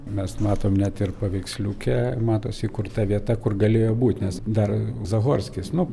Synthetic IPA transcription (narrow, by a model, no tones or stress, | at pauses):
mʲɛsmɑːt̪oːmnʲɛt̪ɪrpɐʋʲɛɪksʲlʲuːkʲɛmɑːt̪oːsʲɪkʊrt̪ɐʋʲiɛt̪ɐkʊrɡɐlʲeːjoːbuːt̪ʲnʲɛsd̪ɐrzɐɣoːrʲsʲkʲɪsnʊ